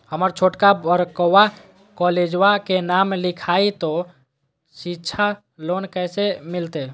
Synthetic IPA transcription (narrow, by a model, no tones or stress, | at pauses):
həməɾt͡ʃʰoʈkabəɾkəwa | kɔled͡ʒwakenamlikʰait̪o | sitːʃʰa | lonkəsemilt̪e